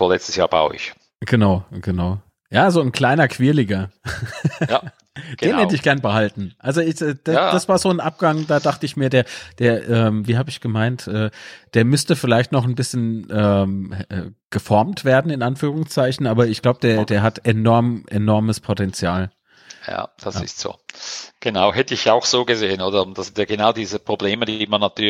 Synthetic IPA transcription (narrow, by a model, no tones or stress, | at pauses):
foɐlɛt͡stə̥sja̰ːɐba̰ʊɪ̰ç | ɡ̥ənaʊɡ̥ənaʊ | jaːzoːnkl̥aɪnɐkʰv̥iːɐliːɡɐ | d̥eːnhɛdəɪçɡ̥ɛɐnəbəhaltn̩ʔalzoɪçɛːd̥ḁasv̥aːɐzoːnʔap̚ɡ̥aŋd̥aːdaχtəɪçmiːɐdeːɐd̥eːɐʔɛːmviːɦaːbəɪçɡ̥əmaɪntʔɛːd̥eːɐmʏstəfɪlaɪçtnɔχn̩bɪsçənʔɛːmʔɛ̰ːɡ̥əfɔɐmtv̥eːɐdn̩ɪnʔanfyːʁ̞ʊŋst͡saɪçn̩ʔaːbɐɪçɡ̥laʊbəd̥eːɐdeːɐɦatenɔɐmʔenɔɐməspʰotɛnt͡sjaːl | ja̰ːd̥a̰sɪ̰stz̥o̰ːɡ̥ənaʊhɛtəɪçaʊxz̥oːɡəzeːənoːdɐʊnd̥asɪntjaɡ̥ənaʊdiːzəpʁ̥obleːmədimanːatʰyːɐ